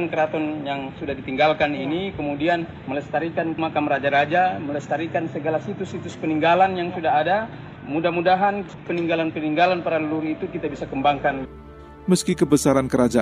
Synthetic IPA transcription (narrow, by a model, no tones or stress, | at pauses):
nkəɾat̪ɔnjaŋsudahdit̪iŋɡalkaninikəmudian | mələst̪aɾikanmakamɾad͡ʒaɾad͡ʒamələst̪aɾikansəɡalasit̪usːit̪ʊspəniŋɡalanjaŋsudaɦada | mudahmudaɦan | pəniŋɡalanpəniŋɡalanpaɾaləluɾit̪ukit̪abisakəmbaŋkan | məskikəbəsaɾankəɾad͡ʒa